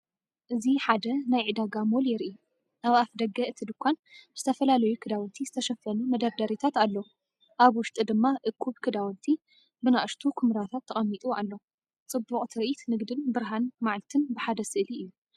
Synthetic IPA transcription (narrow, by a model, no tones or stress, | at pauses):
ʔɨziħad̪ɐnajʕɨd̪aɡamoljɪɾʔi | naβafd̪ɐɡɐʔɨt̪ʰid̪ɨkʷːanz̥ɨ̥t̪ʰɐfɐlalɐjukʰɨd̪awɐnt̪ʰizɨt̪ʰɐʃɐfɐnumɐd̪ɐβd̪ɐɾit̪ʰat̪alːo | ʔaβwʊʃt̪ʼɨd̪ɨmːaʔɨkʰːuβkʰɨd̪awɐnt̪ʰi | bɨnaʔɨʃt̪ʰukʰɨmɾat̪ʰat̪ʰːɐχʼɐmːit̪ʼua̰lːo | t͡sʼɨbːuχʼt̪ʰɨɾʔit̪nɨɡd̪ɨnbɨɾɦanmaʕlt̪ʰɨnbɨħad̪ɐsɨʔliɨjːu